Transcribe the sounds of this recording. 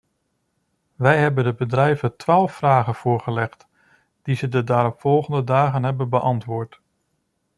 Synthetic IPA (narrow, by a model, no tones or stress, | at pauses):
ʋɛjɦɛbəndəbədrɛjvətʋaːlˠfːraːχənv̥ʊːɹχəlɛχt | d̥izədədaːɾɔpfɔlˠχəndədaːχənɦɛbənbəʔɑntʋʊːɹt